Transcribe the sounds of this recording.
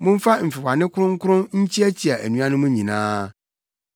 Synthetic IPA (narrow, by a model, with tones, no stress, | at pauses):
mʊ̃˦m̩˦fa˦m̩˨fɪ˨wa˨nɪ̃˦kʰʊ˦ɾʊ̃˦ŋ̩˦kʰʊ˦ɾʊ̃˦nɲ̩˦t͡ɕʰi˦æ˦t͡ɕʰi˨a˨ʔæ˨nũ˨ã˦nʊ̃˦mʊ̃˦ɲĩ˨nãː˦